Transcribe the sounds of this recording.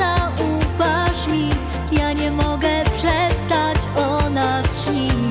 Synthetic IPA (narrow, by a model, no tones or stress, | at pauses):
aupaʂmʲi | jaɲɛmɔɡɛpʂɛst̪at͡ɕɔnasɕɲimʲi